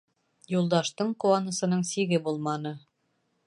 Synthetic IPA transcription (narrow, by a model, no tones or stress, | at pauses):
julˠd̪ɑʃt̪ɤɴquwɑnɤ̆sɤ̆nɤɴsiɡɘbulˠmɑnɤ